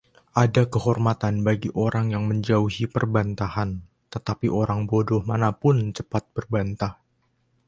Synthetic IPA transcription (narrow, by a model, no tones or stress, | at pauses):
ʔadakəɦɔrmat̪anbaɡiʔoɾaŋjaŋməɲd͡ʒauhipərbant̪ahan | t̪ət̪apiʔoɾaŋbodɔhmanapʊnt͡ʃəpat̪̚bərbant̪ah